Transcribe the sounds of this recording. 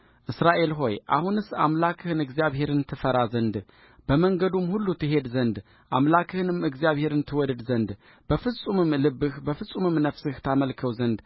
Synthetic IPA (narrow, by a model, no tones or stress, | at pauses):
ʔɨsɾaʔe̞lɦo̞jʔa̰hunɨsa̰mlakʰɨhɨnɨɡzijaβhe̞ɾɨnt̪ʰɨfəɾazənd̪ | b̥əməŋɡəd̪umhulːut̪ʰɨɦe̞d̪zənd̪ | ʔamlakʰɨhɨnɨmɨɡzjaβhe̞ɾɨnt̪ʰɨwɔd̪əd̪zənd̪ | b̥əfɨsʼumɨmlɨbːɨhbəfɨsʼumɨmnəfsɨht̪ʰaməlkʰəwzənd̪